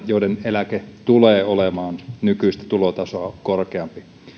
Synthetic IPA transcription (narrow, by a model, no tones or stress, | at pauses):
joˑdenelæket̪uleːolemɑːnnykyist̪æ̥t̪ulot̪ɑsoɑkorkeɑmpi